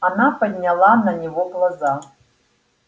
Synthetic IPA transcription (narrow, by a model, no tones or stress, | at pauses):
anapadʲnʲalˠananʲevoklˠaza